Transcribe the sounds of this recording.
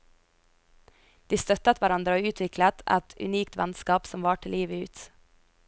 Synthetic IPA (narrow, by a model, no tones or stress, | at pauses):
d̪̥iːst̪œt̪ət̪ʋæɾɑnd̪ɾəoːʉːt̪ʰʋɪklət̪ɛ̰t̪ʉ̰niːkt̪ʰʋɛ̰nskɑːpsɔmʋɑːʈʰɪliːʋəʉːt̪